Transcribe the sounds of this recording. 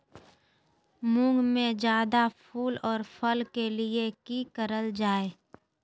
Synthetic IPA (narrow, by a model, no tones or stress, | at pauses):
mʊ̃ŋɡmẽd͡ʒjaːd̪apʰuːlɔːɾpʰəlkelɪekikəɾəld͡ʒaːeː